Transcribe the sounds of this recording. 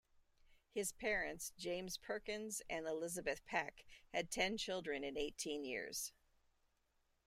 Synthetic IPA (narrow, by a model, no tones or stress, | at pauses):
hɨz̥pʰɛɹɨ̃ntsd̥ʒ̥ẽɪ̃mz̥pʰɜ˞kɨ̃nzɨ̃nəlɪzɨbɨθpʰækhɨd̚tʰɛ̃nt͡ʃʰɪlˠdɹɨ̃nɨ̃neɪtʰĩnjɪ̰ɹz̥